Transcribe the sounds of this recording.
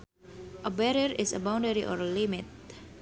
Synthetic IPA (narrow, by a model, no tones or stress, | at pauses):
ʔəbɛɾiəɾɪsə̰baw̃ndəɾiʔɔɾlimɪt̪̚